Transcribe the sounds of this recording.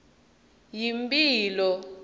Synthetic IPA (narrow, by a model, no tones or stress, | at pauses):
jimbʼiːlɔ